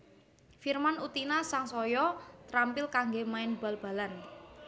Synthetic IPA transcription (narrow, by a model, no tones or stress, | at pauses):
firmanut̪inasaŋsɔjɔt̪ɾampɪlkaŋɡemaɪnb̥a̤lb̥a̤lan